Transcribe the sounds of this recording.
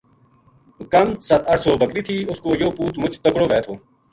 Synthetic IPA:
kɐmsɐt̪ɐɽsoːbəkɾiːt̪ʰiːʊskoːjoːpuːt̪mʊt͡ʃt̪əkɽoːʋɛːt̪ʰoː

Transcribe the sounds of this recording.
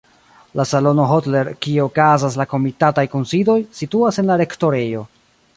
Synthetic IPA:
lasalo̞no̞ɦo̞tle̞ɾkieokazas̬lako̞mitatajkonsido̞jsituase̞nlaɾe̞kto̞ɾe̞jo̞

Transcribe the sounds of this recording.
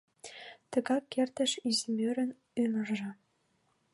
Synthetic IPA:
t̪ə̆ɣɑkːert̪ə̆ʃizimøɾɘ̆n | ymə̆rʒĕ

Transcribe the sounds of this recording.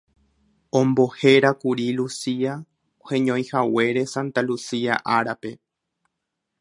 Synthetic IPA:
õmbo̞he̞ɾakuɾilusia | ohẽɲõj̃hawe̞ɾe̞sãnt̪alusiaʔaɾape̞

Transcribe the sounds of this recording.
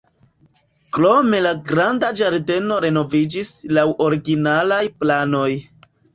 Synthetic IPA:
kɾo̞me̞laɡɾandad͡ʒaɾde̞no̞ɾe̞no̞vid͡ʒislawʔo̞ɾiɡinalajplano̞j

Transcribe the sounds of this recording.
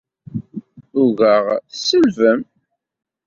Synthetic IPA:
ʊɣəʁθsəlvəm

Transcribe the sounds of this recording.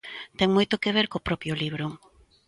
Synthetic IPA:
t̪ɛŋmojt̪okeβ̞eɾkopɾɔpjʊliβɾʊ

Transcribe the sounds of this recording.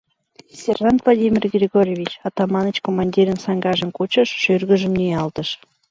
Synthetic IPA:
sʲerʒɑnt̪vlˠodʲimʲirɡrʲeɡorʲjevʲit͡ɕɑt̪ɑmɑnət͡ɕkomɑnʲdʲiɾənsɑŋɡɑʒə̆nkot͡ɕəʃʃørɣə̆ʒə̆mnijɑlt̪əʃ

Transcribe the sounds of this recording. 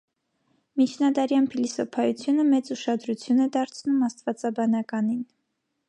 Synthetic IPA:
mit͡ʃʰnɑd̪ɑɾjɑnpʰilisɔpʰɑjut͡sʰjunəmɛt͡suʃɑd̪ɾut͡sʰjunɛd̪ɑɾt͡sʰnumɑst̪vɑt͡sɑbɑnɑkɑnin

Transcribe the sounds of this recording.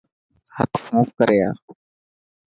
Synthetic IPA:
hət̪ʰfũːp̚kəɾeːa̰ː

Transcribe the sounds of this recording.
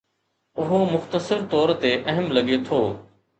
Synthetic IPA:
ʊɦomʊxt̪əsəɾt̪ɔːɾt̪eːʔɐɦəmlɐɠet̪ʰoː

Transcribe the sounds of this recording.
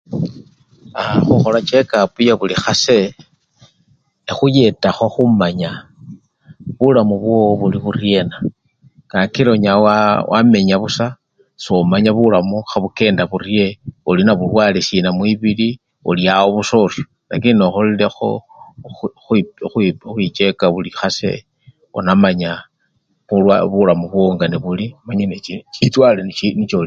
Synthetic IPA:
axuxo̞lat͡ʃe̞kapujaβulixase | exuje̞taxo̞xumaɲa | βulamuβwoβuliβurje̞na | kakiloɲawawʔa̰me̞ɲaβusa | somaɲaβulamuxaβuke̞ːndaβurje̞ulinaβulwaːlesinamwiβili | uliawoβuso̞rjo | na̰kinoxolile̞xo̰ | xixixwit͡ʃe̞kaβulixase̞̰ | o̰namaɲa | βuwaβulamuβwoŋɡaniβulimaɲeneit͡ʃit͡swaleninit͡ʃol

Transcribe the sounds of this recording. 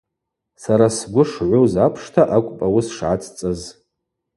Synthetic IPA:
saɾasɡʷʊʂʕʷʊzapʰʂtʰaʔakʷʼpʼawʊsʂʕat͡sʰʼt͡sʼaz

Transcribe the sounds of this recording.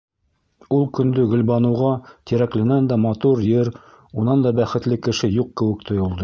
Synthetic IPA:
ulˠkɵ̆nd̪ɵɡɵ̆lbɑnɤ̆wʁɑt̪iɾæklɘ̆nænd̪æmɑt̪uɾjɘɾ | unɑnd̪ɑbæχɘ̆t̪lɘkɘ̆ʃɘjuq̚kɘ̆wɘ̆kt̪ʰŏjŏlˠd̪ɤ

